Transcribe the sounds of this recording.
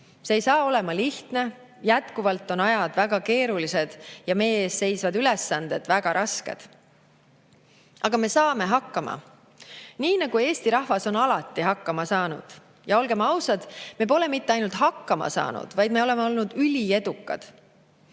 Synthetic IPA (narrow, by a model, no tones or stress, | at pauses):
seejsɑːo̞le̞mɑliht̪ne̞ | jæt̪kuvɑlt̪ːˑo̞nɑjɑd̪̥væɡ̥ɑke̞ːɾulise̞d̪̥jɑme̞jːeːsse̞jsvɑd̪ylɛ̞sːɑnd̪̥e̞d̪̥væɡ̥ɑɾʔɑske̞̰d̪̥ | ɑɡ̥ɑme̞sɑːme̞ɦɑkˑːɑmɑ̰ | niːnɑɡ̥ue̞ːst̪iɾɑhvɑso̞nɑlɑt̪ːˑiɦɑkːɑmɑsɑːnṵd̪̥ | jɑo̞lɡe̞mɑwsɑd̪̥me̞p̬o̞le̞mit̪ːeɑjnult̪hɑkːɑmɑ̰sɑ̰ːnṵd̪̥vɑjd̪me̞o̞le̞meo̞lnud̪̥ylʲie̞d̪̥ukːˑɑ̰d̪̥